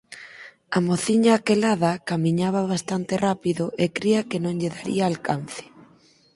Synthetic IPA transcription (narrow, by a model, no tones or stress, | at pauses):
amoθiɲaːkelað̞akamĩɲaβ̞aβ̞ast̪ant̪erapiðʊʔekɾiɐkenõŋʎeðaɾḭaːlkanθɪ̥